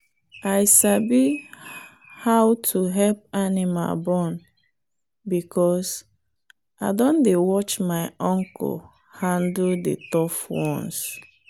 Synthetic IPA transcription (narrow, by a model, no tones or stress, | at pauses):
ajsabi | hawtʰuɦɛlp̚anima̰lbɔ̃n | bikʰɔs | aɪdɔ̃ndewɔt͡ʃmaɪɔ̃ŋkʰɔ̰l | hãnddḛtɔfwɔ̃ns